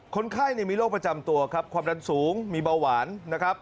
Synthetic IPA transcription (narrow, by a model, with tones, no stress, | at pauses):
kʰo˧nkʰaː˥˩jna˧˩miː˧loː˥˩k̚pɾa˧t͡ɕa˧mt̪u˧ɐkʰa˦˥p̚kʰwaː˧mda˧nsuː˩˦ŋmiː˧ba˧waː˩˦nːa˦˥kʰɾa˦˥p̚